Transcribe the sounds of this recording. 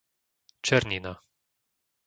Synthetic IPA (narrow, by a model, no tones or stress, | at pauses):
t͡ʃɛɾnʲina